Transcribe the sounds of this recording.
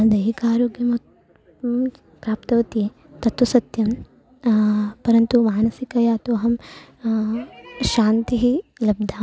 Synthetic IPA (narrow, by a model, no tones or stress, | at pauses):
d̪ɐɦikaːɾoːɡjɐmɐ | pɾaːpt̪ɐʋɐt̪je | t̪ɐt̪ʋusɐt̪jɐm | pɐɾɐnt̪umaːnɐsikɐjaːt̪uɐɦɐm | ʃaːnt̪iɦilɐb̚d̪ʱaː